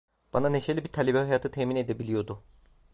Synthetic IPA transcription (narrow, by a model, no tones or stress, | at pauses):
b̥ananeʃelʲibit̪ʰalʲebɛhajaːt̪ʰɯt̪ʰemine̞d̪ebilʲijo̞d̪ʊ